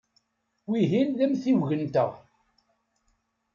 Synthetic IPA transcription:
wiɦinðæmθiwʝənt̪ə̰ʁ

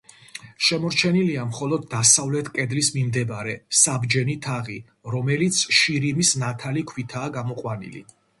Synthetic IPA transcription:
ʃɛmɔɾt͡ʃʰɛniliamχɔlɔd̪̚ːasavlɛt̪ʰkʼɛd̪lismimd̪ɛbaɾɛsabd͡ʒɛnit̪ʰaʁi | ɾɔmɛlit̪sʰʃiɾimisnat̪ʰalikʰwit̪ʰaːɡamɔqʼwanḭlḭ

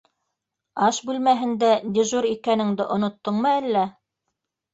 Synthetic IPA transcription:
ɑʃbʉlmæɦɘ̆nd̪æd̪ʲɘʒuɾikænɘ̆ŋd̪ɘʔŏnŏt̪ːɤɴmɤælːæ

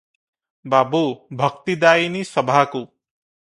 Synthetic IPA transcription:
babubʱʌkt̪id̪ainisʌbʱaku

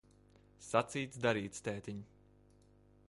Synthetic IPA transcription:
sat̪siːt̪sd̪aɾiːt̪st̪ɛːt̪ʲiɲu

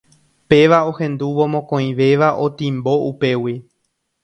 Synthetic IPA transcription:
pe̞ʋao̞hẽ̞nd̪uʋomõkõĩʋe̞ʋaʔo̞t̪ĩmbo̞ʔupe̞wi

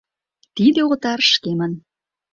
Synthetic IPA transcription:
t̪id̪eot̪ɑrʃkemən

